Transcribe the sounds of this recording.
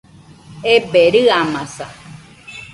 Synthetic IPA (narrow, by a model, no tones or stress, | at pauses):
epeɾɨamãsa